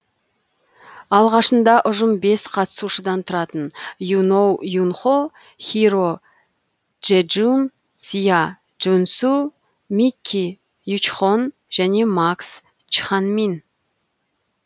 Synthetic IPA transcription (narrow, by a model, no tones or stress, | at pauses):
ɑlˠʁɑʃənd̪ɑʔʊʒəmbe̞sqʰɑt̪ə̥suʃəd̪ɑnt̪ʰʊɾɑt̪ənjunowjunχo | χʲiɾo | ʒ̥ed͡ʒun | sija | ʒunsu | mikʲʰːi | jut͡ʃχon | ʒ̥æne̞maks | t͡ʃχɑnmin